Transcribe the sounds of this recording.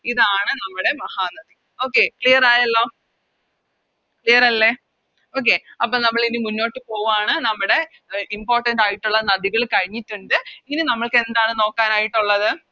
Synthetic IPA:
iðaːɳɨnɐmːuɽe̞mɐhaːnɐd̪i | oːkːe̞kɭijɐraːjɐlːo̞ː | kɭijɐrɐlːeː | o̞ːk̬ːe̞ːɐpːoːnɐmːɐɭinɨmunːo̞ːʈːɨpo̞ːʋaːɳɨnɐmːuɽe̞ | impo̞ːrʈɐnɖaːjiʈːuɭːɐnɐðiɣɐɭkɐɻiɲːitːuɳɖɨiŋːɐnenɐmːɐɭke̞nd̪aːɳɨno̞ːkːaːnaːjiʈːuɭːɐðɨ

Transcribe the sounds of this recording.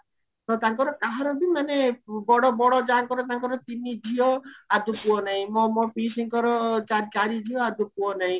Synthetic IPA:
t̪ɔt̪aŋkɔɾɔkaɦɔɾɔbimanebɔɽɔbɔɽɔd͡ʒaŋkɔɾɔt̪aŋkɔɾɔt̪inid͡ʒiɔad̪ʱupuɔnaɦĩmɔmɔpisiŋkɔɾɔt͡ʃaɾkaɾid͡ʒʱiɔad̪upuɔnaɦĩ

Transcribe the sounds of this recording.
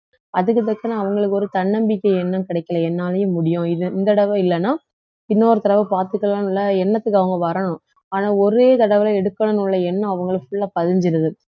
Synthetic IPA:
ɐðɯkːɯt̪ːɐkːɐnãɐʋɐŋɡɐɭɯkːɯɔɾɯt̪ɐɳːɐmbɪkːɐɛnːɐkɪɽɐɪkːɐlɐɛnːaːlɐjɯ̃mʊɽɪjʊ̃ɪðɯɪnd̪ɐɽɐʋɐɪlːɐnaː | pɪnːoːɾɯt̪ɐɾɐʋɐpaːɾt̪ɯkːɐɭaːnʊlːɐɛnːɐt̪ːɯkːɯɐʋɐŋɡɐʋɐɾɐɳʊ̃ | aːnaːɔɾeːt̪ɐɽɐʋɐlɐɛɽɯkːɐɳɐnʊɭːɐɛnːɐ̃ɐʋɐŋɡɐɭɯkːfʊɭːaːpɐðɪɲd͡ʒɪɾɐðɯ

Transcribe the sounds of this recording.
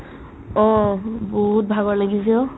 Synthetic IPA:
ɔboɦut̚bʱaɡɔɹlaɡisɛʊ

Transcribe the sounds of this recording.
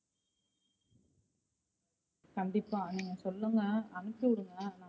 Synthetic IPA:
kɐɳɖ̪ɪpːaːniːŋɡɐsɔlːɯŋɡɐːnɯkːɪʋɐɾɯŋɡɐnaː

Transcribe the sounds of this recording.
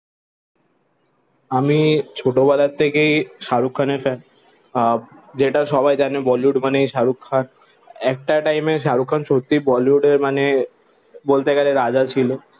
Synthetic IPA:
amit͡ɕʰoʈobalaɾt̪ʰekejʃaɾukʰːanefɛn | d͡ʑeʈaʃɔβajd͡ʑanebɔluɖmanejʃaɾukʰːan | ɛk̚ʈaʈajmeʃ̬aɾukʰːanʃot̪ːibɔliuɖeɾmane | bolt̪eɡɛleɾad͡ʑat͡ɕʰilo

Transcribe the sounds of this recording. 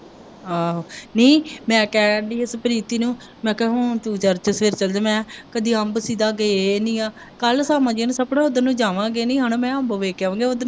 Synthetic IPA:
aːoniːmɛ̃ːkɛːɖiːɪspəɾiːt̪iːnũː | mɛ̃ːkɛɦõːt̪uːt͡ʃəɾt͡ʃəsʋeːɾt͡ʃəld͡ʒemɛ̃ːkəd̪iːəmbsiːd̪aːɡeenĩːaː | kəlsaːmãːd͡ʒiːnsəpɽãːʊd̪ənũːd͡ʒaːʋãːɡeːnĩːɦənmɛ̃ːəmbʋeːkːaːʋãːŋɡeːod̪ən

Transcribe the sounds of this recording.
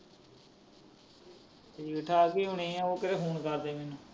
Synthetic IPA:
ikʈʰaːɡiːɦʊɳ̃ĩːãːoːkəɾeːɦuːɳkəɾd̪eːmeːnũː

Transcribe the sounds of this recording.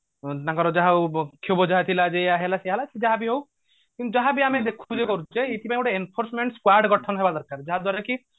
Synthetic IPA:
nakɔɾɔd͡ʒaɦawkʰobɔd͡ʒaɦat̪ʰilad͡ʒeaɦelaseɦalased͡ʒaɦabiɦow | kint̪ud͡ʒaɦabiamed̪ekʰud͡ʒekɔɾud͡ʒeit̪ʰipãẽuʈeenpʰoɾsmeɳʈskwaɾɖɡɔʈʰɔnɦebad̪ɔɾkaɾd͡ʒaɦad̪waɾaki

